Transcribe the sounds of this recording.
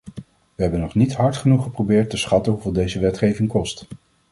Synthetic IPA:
ʋəɦɛbənɔχnitɦɑɹtχənuχəprowbɪːɹtəsχɑtənɦuvɪːlˠdejzəʋɛtχejvɪŋkɔst

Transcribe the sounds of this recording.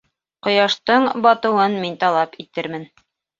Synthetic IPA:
qŏjɑʃt̪ɤɴbɑt̪ɤ̆wɤnmint̪ɑlˠɑpit̪ɘɾmɘn

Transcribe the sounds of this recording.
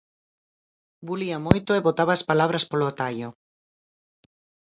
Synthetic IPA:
buliɐmojt̪ʊeβot̪aβaːspalaβɾɐspoloat̪aʎʊ

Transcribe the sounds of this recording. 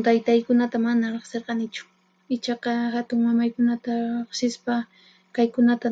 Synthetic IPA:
t̪ajt̪ajkʊnat̪amanaɾeχseɾqɑnɪt͡ʃʊ̥ | ɪt͡ʃɑqɑhat̪ʊŋmamajkʊnat̪aɾeχsɪspa | kajkʊnat̪a

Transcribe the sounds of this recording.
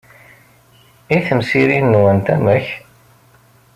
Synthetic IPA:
iθəmsiɾinːwənt̪æməç

